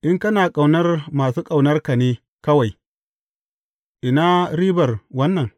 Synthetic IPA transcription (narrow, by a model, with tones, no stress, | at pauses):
ʔɪ˦ŋkɐ˦naː˨kʼa˨wnɐ˦rmaː˨suː˦kʼa˨wnɐ˦rka˨neː˦ | kɐ˦wa˨j | ʔɪ˨naː˦ɾiː˦bɐ˨rwɐ˦nːɐ˨ŋ